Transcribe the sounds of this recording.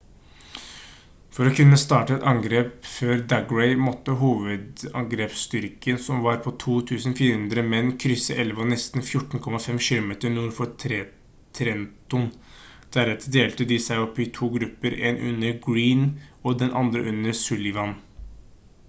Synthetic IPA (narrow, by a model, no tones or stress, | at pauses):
fɔɾɔkʰʉnːəst̪ɑːʈəɛt̪ɑŋɡɾeːpføːɾd̪ɑɡɹɛɪmɔt̪ːəɦuːʋəd̪ɑ̰ŋɡɾeːpst̪ʏɾkənsɔmʋɑɾpʰɔt̪ʰuːt̪ʰʉːsn̩fiːɾəhʉnd̪ɾəmɛnːkʰɾʏsːəʔɛlʋəɔnɛst̪n̩fjʊʈːn̩kʰɔmɑfɛmʃɪːlʊmeːt̪əɾnuːɾfɔtʰɾɛ | t̪ʰɾɛnt̪ʊn | d̪̥æɾɛt̪əd̪eːlt̪əd̪ɪsæɪɔpːɪt̪ʰuːɡɾʉpːəɾḛːnʔʉ̰nːəɾɡɹiːnɔd̪ɛnʔɑ̰nd̪ɾə̰ʔʉnːəɾsʉlɪʋɑn